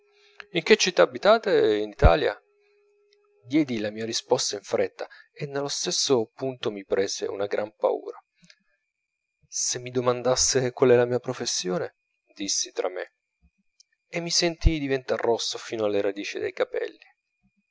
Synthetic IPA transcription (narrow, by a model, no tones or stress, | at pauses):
iŋk̟et͡ʃːit̪ːaːbːit̪aːt̪einit̪a̰ːlja̰ | d̪jɛːd̪ilamiːaɾispɔst̪aiɱfɾʔɛt̪ːaenːelːost̪esːopunt̪omipɾeːzḛṵnaɡɾampa̰ṵːɾa | semːid̪omand̪asːekwalɛlamiːapɾofesːjoːne | d̪isːit̪ɾa̰mːḛ | emːisent̪id̪ivent̪arrːɔsːofiːnoalːeɾad̪iːt͡ʃid̪ḛjkapɛ̰lːi